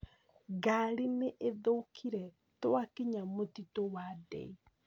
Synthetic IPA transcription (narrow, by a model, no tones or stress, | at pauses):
ɡaɾineʔeðokʰiɾɛ | toakiɲamotitowadɛ̰i